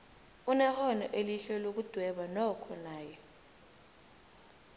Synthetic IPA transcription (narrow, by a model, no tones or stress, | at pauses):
unɛxɔnɔʔeliɬɛlok̬ud̥ʱwɛɓanɔkʰɔnaːjɛ